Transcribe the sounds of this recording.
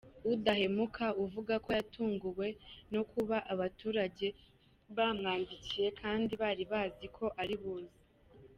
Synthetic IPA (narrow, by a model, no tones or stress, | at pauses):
udahe̞mukʰauvuɡako̞jatʰuːŋɡuwe̞no̞kuβaʔaβatuːɾaɟe̞ | βaːmŋaːndicije̞kʰaːndiβaːɾiβaːzikʰo̞ʔaɾiβuːzi